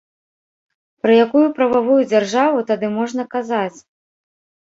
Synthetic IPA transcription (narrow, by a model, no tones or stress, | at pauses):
pɾɐjakujupɾɐvavujud͡zʲarʐavut̪ad̪ɨmɔʐn̪ɐkazat͡sʲ